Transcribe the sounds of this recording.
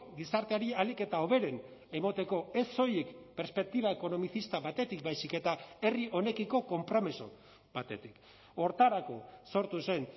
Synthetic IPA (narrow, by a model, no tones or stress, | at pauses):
ɡisaɾt̪e̞aɾialike̞t̪ao̞β̞e̞ɾe̞n | e̞mot̪e̞ko̞e̞so̞jekpeɾspe̞k̚t̪iβaeko̞no̞miθist̪aβat̪e̞t̪ik̚bajsike̞t̪ae̞riʔo̞ne̞kiko̞ko̞mpɾo̞miso̰ | bat̪e̞t̪ik | o̞ɾt̪aɾako̞̰so̞ɾt̪use̞n